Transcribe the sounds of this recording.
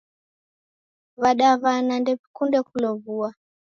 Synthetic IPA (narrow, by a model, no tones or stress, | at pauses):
βaɗaβanandɛpikundɛkulɔβua